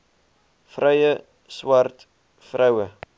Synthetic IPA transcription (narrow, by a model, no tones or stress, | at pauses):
frəjə | swɐrt | frœwə